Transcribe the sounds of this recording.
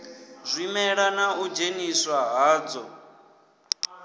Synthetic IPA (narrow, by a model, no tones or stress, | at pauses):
zʷimɛɺanaud͡ʒeniswaɦaːd͡zɔ